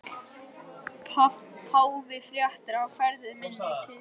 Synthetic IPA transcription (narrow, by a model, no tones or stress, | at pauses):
pʰaːwvɪfɾjaht̪ɪɾawfɛɾðɪɾmɪnːɪt̪ʰɪ